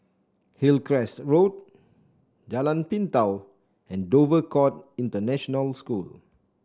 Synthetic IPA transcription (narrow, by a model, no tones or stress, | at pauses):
hilkɹɛsɹot̚ | d͡ʒalãnpĩntaw | ɛ̃ndovəkɔtĩntənɛʃɔnəlskul